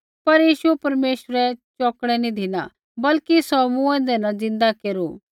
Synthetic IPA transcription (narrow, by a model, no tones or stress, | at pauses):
pɐɾjiːʃuɛpɐɾmeːʃɾɛt͡ʃɔːkɽ̃ɛnĩd̪ʱɪnã̰ | bɐlkisɔːmũɛ̃d̪ɛnad͡zɪ̃nd̪akeːɾuː